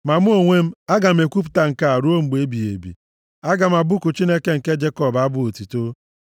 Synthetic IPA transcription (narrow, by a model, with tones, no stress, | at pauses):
ma˨m˦o˨ŋʷe˦m̩˦a˦ɡa˨m̩˦e˨kʷu˦p̬u̥˨ta˨ŋ̩˨ka˦a˨ɾu˦o˦ŋ͡m̩˨ɡ͡be˦bi˨ḛ˨bḭ˨ | a˦ɡa˨m̩˨a˨bʊ˦kʊ˨t͡ʃi˦ne˦ke˦ŋ̩˨ke˦d͡ʒe˦kɔ˦˨ba˦bʊ˦o˨ti˨to˦